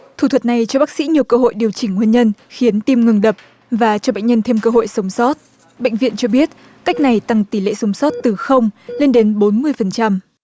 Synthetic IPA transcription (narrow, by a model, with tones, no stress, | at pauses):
t̪ʰu˨˧˩ə˨˩t̚na˨˩jt͡ɕɔ˧ɓaː˦˥k̚sḭ˧˥ɲi˨˩əwkəː˧ɦo̰˧˨jɗi˨˩əwt͡ɕï˧˩ŋ̟ŋwi˧nɲə˧nxi˨˦ənt̪i˧mŋɨ˨˩ŋɗə˨˩p̚ | vaː˨˩t͡ɕɔ˧ɓḛ˧˨ŋ̟ɲə˧nt̪ʰe˧mkəː˧ɦo̰˧˨jsə˨˦wŋ͡msɔ˦˥t̚ | ɓḛ˧˨jŋ̟vḭ˧˨ənt͡ɕɔ˧ɓi˦˥ət̚ | ka˦˥jk̟̚na˨˩jt̪a˧˩ŋt̪i˧˩lḛ˧˨sə˨˦wŋ͡msɔ˦˥t̚t̪ɨ˨˩xə˧wŋ͡mle˧nɗe˨˦nɓo˨˦nmɨ˧əjfə˨˩nt͡ɕa˧m